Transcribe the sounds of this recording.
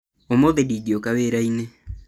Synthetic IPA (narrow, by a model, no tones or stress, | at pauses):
omoðedidiokaweɾaine